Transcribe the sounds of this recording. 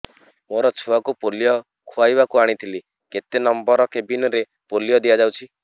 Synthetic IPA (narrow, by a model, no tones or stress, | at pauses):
moɾɔt͡ʃʰuakupolijɔ | kʰuajbakuaɽ̃it̪ʰili | ket̪enɔmbɔɾɔkebinɔɾe | polijɔd̪ijad͡ʒawt͡ʃʰi